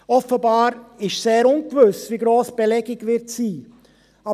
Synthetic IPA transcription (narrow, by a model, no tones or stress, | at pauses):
ɔfəbɑːɾɪʃseːɾʊnkvɵsviːɡɾoːsb̥elɛɡɪɡʋɪɾtsiː | ɑ